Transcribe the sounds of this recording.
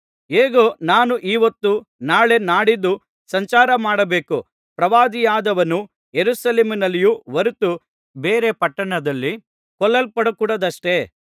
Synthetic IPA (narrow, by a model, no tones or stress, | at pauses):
eːɡoːnaːnuʔiːʋɐt̪ːu | naːɭe̞naːɽid̪ːu | sɐɲt͡ʃaːɾɐmaːɽɐbe̞ːku | pɾɐʋaːd̪ijaːd̪ɐʋɐnu | jeɾuʃɐleːminɐlːijuʋɐɾut̪u | beːɾe̞pɐʈːɐɳɐd̪ɐlːi | kɔlːɐlpɐɽɐkuːɽɐd̪ɐʂʈe̞